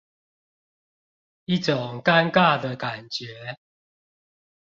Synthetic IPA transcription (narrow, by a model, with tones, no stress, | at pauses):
i˥˨ʈ͡ʂʊ˨˩ŋka˦nka˥˩d̪ə˨ka˨˩nt͡ɕɥɛ˨˦